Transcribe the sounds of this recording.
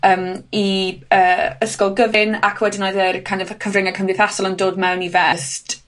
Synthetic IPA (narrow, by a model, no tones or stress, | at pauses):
əːmiəːəskɔlˠɡəvɪnakʰwɛdɪnajðərkʰajnaðkʰəvrɪŋakʰəmrɨθasɔlˠəndoːdmɛwnivɛst